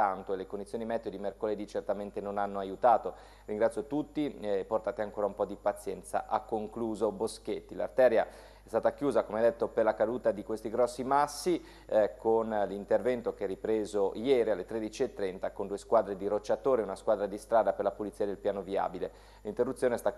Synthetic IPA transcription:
ant̪oelekondit̪sjoːnimɛd̪jod̪imerkoled̪it͡ʃert̪ament̪enonanːoajut̪aːt̪o | riŋɡɾat̪sjot̪ut̪ːipːort̪aːt̪eaŋkoːɾaumpɔd̪ipat̪sːjɛnt̪sa̰ʔakːoŋkluːzobosk̟et̪ːila̰rt̪ɛːɾja | ɛst̪aːt̪akjuːzakomead̪et̪ːoperlakad̪uːt̪ad̪ikwest̪iɡɾɔsːimasːi | konlint̪ervɛnt̪okeɛrːipɾeːzojɛːɾialːet̪ɾed̪it͡ʃiet̪ːɾɛnt̪akond̪uːeskwaːd̪ɾed̪iɾot͡ʃːat̪oːɾeunaskwaːd̪ɾad̪ist̪ɾaːd̪aperlapulit̪siːad̪elpjaːnovia̰ːbile | lint̪erːut̪sjoːneɛst̪a

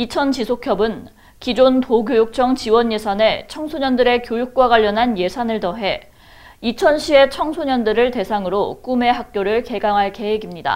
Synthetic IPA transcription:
it͡ɕʰʌnt͡ɕisʰokʰjʌbɯn | kid͡ʑontoɡjojuk̚t͡ɕʰʌŋt͡ɕiwʌɲje̞sʰane̞t͡ɕʰʌŋsʰoɲʌndɯɾe̞kjojuk̚k͈waɡaʎːʌnɦanje̞sʰanɯɭtʌɦe̞ | it͡ɕʰʌnɕʰie̞t͡ɕʰʌŋsʰoɲʌndɯɾɯɭte̞sʰaŋɯɾok͈ume̞ɦak̚k͈joɾɯɭke̞ɡaŋɦaɭke̞weɡimɲida̰

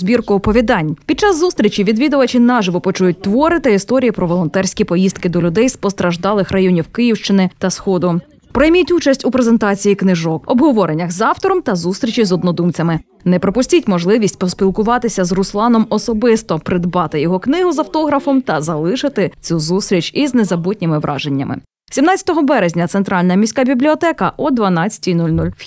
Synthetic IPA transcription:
zbʲirkʊɔpɔʋʲid̪ɑnʲpʲid̪̚t͡ʃɑzːust̪ʲɾʲit͡ʃiʋʲid̪ʋʲid̪ʊʋɐt͡ʃinɑʒɪʋɔpɔt͡ʃujʊt̚ʲt̪ʋɔɾɪt̪ɐist̪ɔɾʲijipɾɔʋɔlˠɔnt̪ɛrsʲkʲipɔjist̪kɪd̪ɔlʲʊd̪ɛjspɔst̪ɾɐʒd̪ɑlˠɪxrɐjɔnʲiwkɪjiwʃt͡ʃɪnɪt̪ɐsxɔd̪ʊ | pɾɔjmʲitʲut͡ʃɐsʲtʲupɾezent̪ɑt͡sʲijiknɪʒɔkɔbɦɔʋɔɾenʲːɐxzɑwt̪ɔɾɔmt̪ɐzust̪ɾʲit͡ʃʲizɔd̪nɔd̪umt͡sʲɐmɪ | nɛpɾɔpʊsʲtʲitʲmɔʒlˠɪʋʲisʲtʲpɔspʲilˠkʊʋɑt̪ɪsʲɐzrʊslˠɑnɔmɔsɔbɪst̪ɔpɾɪd̪bɑt̪ɪjɔɦɔknɪɦʊzɐwt̪ɔɦɾɐfɔmt̪ɐzɐlˠɪʃɪt̪ɪt͡sʲuzust̪ɾʲit͡ʃiznezɐbɔtʲnʲɪmɪʋɾʔɑ̰ʒenʲːɐ̰mɪ̰ | sʲimnɑt͡sʲɐ̥t̪ɔɦɔbɛɾezʲnʲɐt̪sent̪ɾɑlʲnɐmʲisʲkabʲiblʲiɔt̪ɛkɐʔɔd̪ʋɐnɑt͡sʲɐ̥tʲijnulʲnulʲ

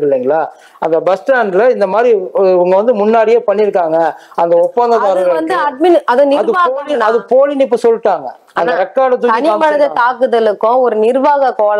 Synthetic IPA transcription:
ɯlːiːŋɡɐɭaː | ɐnd̪ɐbɐsʈaːɳɖlɐɪnd̪ɐmaːd̪ɾiɐŋɡɐʋɐnd̪ɯmʊnːaːɽɪjeːpɐɳːɪɾɯkːaːŋɡɐɐnd̪ɐɔpːɐnɡ̪ɐðaːɾɐɐnd̪ɯɐɖmɪnɐðõːnɪɐðɯaːolɪɐðɯpoːlɪnɪp̬ːɯsɔlːʈːaːŋɡɐ | ɐnd̪ɐɾɛkːaːɽɐt̪ːɯɐnɪpɐnɐðɐt̪aːkɯðɐlɯkːʊ̃ɔɾɯnɪɾʋaːɣɐkoːl

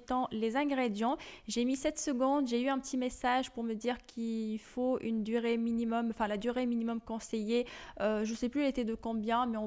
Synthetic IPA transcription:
t̪ɑ̃lezɛ̃ɡʁed̪jɑ̃ʒemisɛt̪səɡɔ̃d̪ʒeyɛ̃pət̪ʰimesaʒpuʁməd̪iʁkʰilfoynd̪yʁeminimɔmɑ̃fɛ̃lad̪yʁeminimɔmkɔ̃sejeøʒəsɛplyɛlet̪ɛd̪əkɔ̃bjɛ̃mɛɔ̃

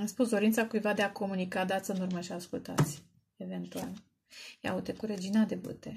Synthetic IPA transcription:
amspus̬d̪o̞ɾint̪sakujvad̪e̞ako̞munikad̪at̪sɨnurməʃiaskult̪a̰t̪sʲ | eve̞nt̪ual | ja̰ut̪ekuɾe̞d͡ʒinad̪ebṵt̪e

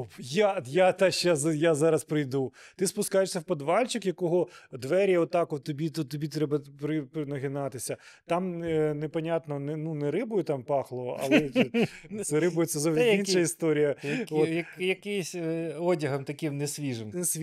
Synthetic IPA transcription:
opjajat̪ɛʃasjazɑɾɐspɾɪjd̪ut̪ɪspʊskɑjeʃʲsʲɐwpɐd̪ʋɑlʲt͡ʃɪkjɐkɔɦɔd̪ʋɛɾʲjɐɔt̪ːɑkɔt̪ːɔbʲit̪ɔt̪ːɔbʲit̪ɾɛbɐpɾɪpɪnɐɦɪnɑt̪ɪsʲɐt̪ɑmnɛpɐnʲat̪nɔnɛnunɛɾɪbʊjʊt̪ɑmpɑxlˠɔʋɔʔɐ̰lɛ | sɛɾɪbʊjʊt̪sɛzɔʋd̪ʲiinʃʃɐist̪ɔɾʲijɐɔjɐkjɐkɪjsʲɔdʲɐɦɐmt̪ɐkɪmnɛsʲʋʲiʒɪmsʲ

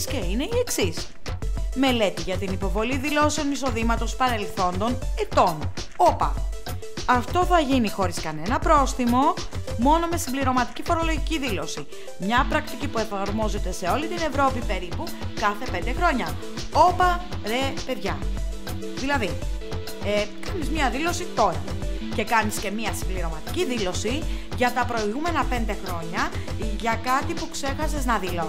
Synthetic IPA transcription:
sceine̞ie̞ksis | me̞le̞t̪iʝɐt̪inipo̞vo̞liðilo̞seo̞niso̞ðimɐt̪o̞spɐɾe̞lθo̞nd̪o̞ne̞t̪o̞n | o̞pɐ̰ | ɐft̪o̞θɐʝinixo̞ɾiskɐne̞nɐpɾo̞sθimo̞ | mo̞no̞me̞simbliɾo̞mɐt̪i̥cifo̞ɾo̞loʝiciðilo̞si | mɲɐpɾɐk̚t̪icipue̞fɐɾmo̞ze̞t̪e̞se̞o̞lit̪ine̞vɾo̞pipe̞ɾipu | kɐθe̞pe̞nd̪e̞xɾo̞ɲɐ | o̞pɐ | ɾe̞pe̞ðʝɐ | ðilɐði | ekɐnizmɲɐðilo̞sit̪o̞ɾɐ | ce̞kɐnisce̞miɐsimbliɾo̞mɐt̪i̥ciðilo̞si | ʝɐt̪ɐpɾo̞iɣume̞nɐpe̞nd̪e̞xɾo̞ɲɐ | ʝɐkɐt̪ipukse̞xɐseznɐðilo

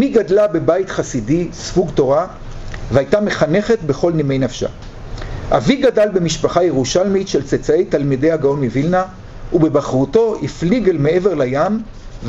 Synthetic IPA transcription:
miɡadlabe̞bajtχasidisvuɡto̞ʁa | vehajtame̞χane̞χe̞tbe̞χo̞lnimejnafʃa̰ | a̰viɡadalbe̞miʃpaχajeʁuʃalmitʃelt͡set͡sae̞jtalmide̞jhaɡao̞nmivilna | ube̞baχʁuto̞ifliɡelmee̞veʁlajam | v

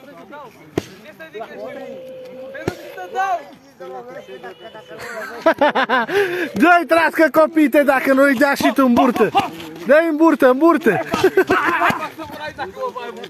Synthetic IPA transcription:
d̪ɐjt̪ɾaskɐkopit̪ɐd̪akɐnojd͡ʒaʃit̪ũmbuɾt̪ɐd̪ɐjmbuɾt̪ɐmbuɾt̪ɐ

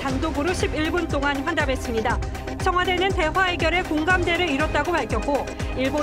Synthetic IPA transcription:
tandoɡɯɾoɕʰibiɭbunt͈oŋanɸwandabe̞s͈ɯmɲida | t͡ɕʰʌŋɦwade̞nɯnte̞wae̞ɡjʌɾe̞koŋɡamde̞ɾɯiɾʌt̚t͈aɡopaɭkʰjʌk͈o | iɭbo

